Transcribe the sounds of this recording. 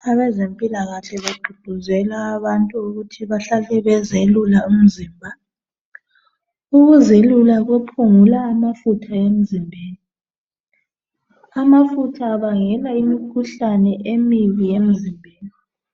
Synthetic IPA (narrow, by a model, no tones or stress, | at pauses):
aβɛzempʼilaɣaɬɛβaɡ͡ǃʱud̥ʱuzɛlaːβantʼuuɣutʰiβaɬalɛβɛzelulaum̩ziːmbʱa | uɣuzelulaɣwepʰuŋulaːmafutʰaem̩zimbʱeːli | amafutʰaːβaŋɛlaimikʰuɬanɛʔemiβijem̩zimbʱeːli